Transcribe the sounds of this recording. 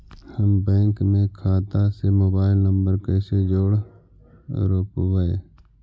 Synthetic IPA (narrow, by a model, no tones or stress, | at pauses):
həmbɛ̃ːŋkmẽkʰaːt̪asemoːbaːɪlnəmbəɾkəːsed͡ʒoːɽ | ɾoːpʋəḛː